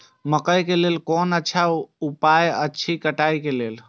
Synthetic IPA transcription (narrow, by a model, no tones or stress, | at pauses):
məkəjkelelkɔnətːt͡ʃʰaupajətːt͡ʃʰikəʈajkelel